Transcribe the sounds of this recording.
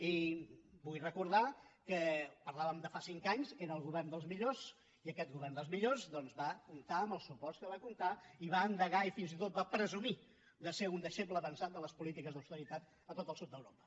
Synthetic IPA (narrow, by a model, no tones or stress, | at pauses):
ibujrəkuɾð̞akəpəɾlaβəmd̪əfasiŋkaɲseɾəːlˠɣuβɛrnd̪əlˠzmiʎos | iəkɛt̪̚ɣuβɛrnd̪əlˠzmiʎozd̪ɔnzβakunt̪aəməlˠsupɔskəβakunt̪aiβaənd̪əɣaifinzit̪ot̪̚bapɾəzumi | d̪əseund̪əʃepləβənsat̪̚d̪ələspulit̪ikəzðəwst̪əɾit̪at̪ | ət̪ot̪əlˠsud̪̚əwɾopə̥